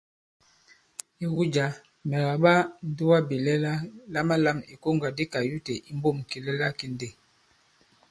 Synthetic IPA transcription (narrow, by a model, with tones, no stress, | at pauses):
i˦ɣu˦d͡ʒa˨ | mɛ˨la˨ɓa˦n̩˦du˦wa˦bi˨lɛ˦la˦la˦ma˦la˦˨mi˨ko˦ŋɡa˨di˦ka˨ju˦te˨ʔi˦m˦bo˦˨m˨ki˨lɛ˦la˦ki˦n˦de˨